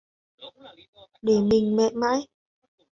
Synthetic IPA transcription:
ɗe˧˩mï˨˩ŋ̟mɛ̰˧˨ma̰ː˧˥j

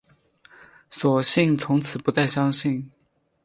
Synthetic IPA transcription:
swɔ˨˩ɕi˥˩ŋt͡sʰʊ˧˥ŋt͡sʰɹ̩˨˩pu˧˥t͡sa˥˩ɪɕjɑ˥ŋɕi˥˩n

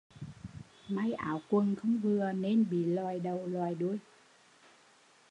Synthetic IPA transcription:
ma˧˩jʔa̰ː˧˦wkwə˨˩nxə˧wŋ͡mvɨ˨˩əne˧nɓḭ˧˨laː˨˩jɗə˨˩wlwaː˨˩jɗu˧˩əj

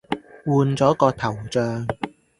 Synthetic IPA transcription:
wuː˧nt͡sɔː˨˥kɔː˧t̪ʰɐ˨˩wt͡ʃœː˧ŋ

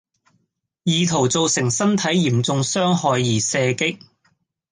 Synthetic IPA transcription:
jiː˨˧t̪ʰo˨˩wt͡so˨˧wsɪ˨˩ŋsɐ˥nt̪ʰɐ˨˥jiː˨˩mt͡sʊ˧ŋsœː˥ŋɦɔː˨˧jːiː˨˩sɛː˧kɪ˥k̚

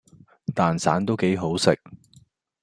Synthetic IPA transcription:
t̪aː˨nsa̰ː˨˥nt̪o˥wke˨˥jɦo˨˥wsɪ˨k̚

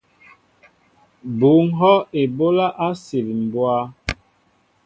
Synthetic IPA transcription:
bu˨˦ŋɦɔ˦e˨bo˦la˦ʔa˦se˨li˨m̩˨bwa˦

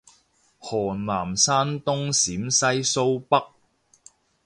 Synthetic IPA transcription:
hɔː˨˩nlaː˨˩msaː˥nt̪ʊ˥ŋsiː˨˥msɐ˥jso˥wpɐ˥k̚

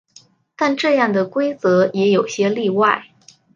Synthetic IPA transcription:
t̪a˥˧nʈ͡ʂɤ˥˧jɑ˥˩ŋd̪ə˩kwe˥ɪt͡sɤ˧˥jɛ˧˥jo˨˩ʊɕjɛ˥li˥˧wa˥˩ɪ

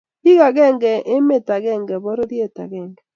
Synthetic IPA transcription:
i˦ɣa˨ɣɛ˦˨ŋɡɛ˨ʔe˦me˦ta˨ɣɛ˦˨ŋɡɛ˨βɔ˦ɾo˦ðje˦˨ta̰˨ɣɛ˦˨ŋɡɛ˨

